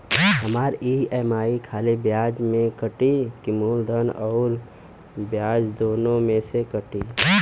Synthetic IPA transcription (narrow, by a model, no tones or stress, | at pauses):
ɦəmaːɾieːmaːikʰaːlibjaːd͡ʒmẽkəʈikimoːld̪ʱənɔːɾ | bjaːd͡ʒd̪oːnõmẽsekəʈi